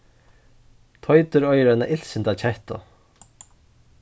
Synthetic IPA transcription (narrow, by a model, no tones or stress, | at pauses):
t̪ʰɔjt̪ʏɾɔjɾanaʔɪl̥sɪnt̪at͡ɕʰɛht̪ɔ̰